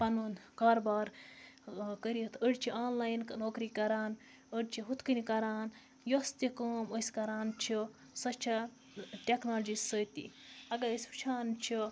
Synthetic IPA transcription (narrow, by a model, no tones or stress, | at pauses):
pɐnuːnkaːɾbaːɾ | kəɾiit̪ʰəɽt͡ʃʰiaːnlaːjnknoːkɾikɐɾaːn | əɽʲt͡ʃʰiɦut̪kɨnikɐɾaːn | jost̪ikoːmosʲkɐɾaːnt͡ʃʰi | sɐt͡ʃʰɐ | ʈʲeknaːld͡ʒisət̪ḭɐɡɐsʲut͡ʃʰaːnt͡ʃʰi